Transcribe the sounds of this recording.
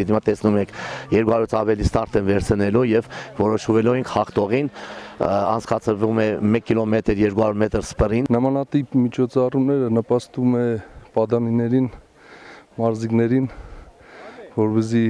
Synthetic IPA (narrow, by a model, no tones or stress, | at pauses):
imɑt̪ɛsnumɛkʰjɛɾkuhɑɾuɾit͡sʰɑvɛlist̪ɑɾt̪ɛnvɛɾt͡sʰənɛlujɛvvɔɾɔʃvɛluɛŋkʰhɑχt̪ɔʁin | ɑ̰nt͡sʰkɑt͡sʰəɾvumɛmɛkʰːilɔmɛt̪əɾjɛɾkuhɑɾuɾmɛt̪əɾspərinnəmɑnɑt̪ipmit͡ʃʰɔt͡sʰɑrumnɛɾənəpɑst̪umɛpɑd̪ɑninɛɾin | mɑɾziknɛɾin | vɔɾpɛs̬i